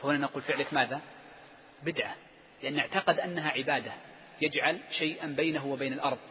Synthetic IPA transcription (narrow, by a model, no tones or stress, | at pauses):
fahʊnanaquːlfɪʕlɪkmaːða | bɪd̪ʕa | lɪʔanːɪʕt̪ɑqɪd̪ʔanːaɦaʕɪbaːd̪a | jad͡ʒʕalʃajʔanbajnaɦuwɪbeːnalʔɑɾˤðˤ